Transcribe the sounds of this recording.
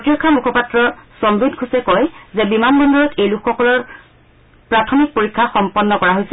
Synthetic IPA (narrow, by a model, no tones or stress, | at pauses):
otiɹɔkʰːamukʰɔpatɹɔsɔmbidkʰusɛkɔjzɛbimanbɔndɔɹɔtʰejlukxɔkɔlɔɹ | pɹatʰɔmik̚poɹikʰːaxɔmpɔnːɔkɔɹaɦojsɛ